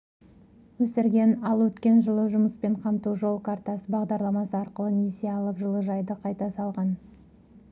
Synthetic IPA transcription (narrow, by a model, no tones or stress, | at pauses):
wɵsɪɾɡʲe̞nɑlˠwɵt̪kʲe̞nʒəlˠəʒʊməspe̞ɴqʰɑmt̪uʒo̞lˠkʰaɾt̪ɑsəbɑʁd̪ɑɾlˠɑmɑsəɑɾqəlˠənese̞ɑlˠəpʒəlˠəʒɑjd̪əqʰɑjt̪ɑsɑlˠʁɑn